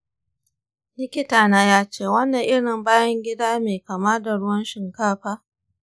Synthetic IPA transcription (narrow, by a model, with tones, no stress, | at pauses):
lɪ˦kʲɪ˦taː˨naː˦jaː˦t͡ʃeː˦˨wɐ˦nːɐ˨ŋʔɪ˦ɽɪ˨mbaː˦jɐ˦ŋɡʲɪ˦daː˦meː˨ka˨ma˦da˨ɽʊ˦wɐ˦nʃɪ˨ŋkaː˦ɸaː˦